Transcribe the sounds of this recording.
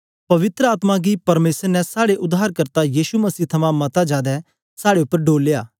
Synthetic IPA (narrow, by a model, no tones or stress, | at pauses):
pɐʋɪt̪ɾəaːt̪mãɡipɐɾmeːsəɾnɛ̃saːɽeʔʊd̪aːɾkɐɾt̪ajiːʃumɐsiːt̪ʰɐmãmɐt̪ad͡ʒaːd̪ɛ | saːɽeʊpːəɾɖoːlːeːaː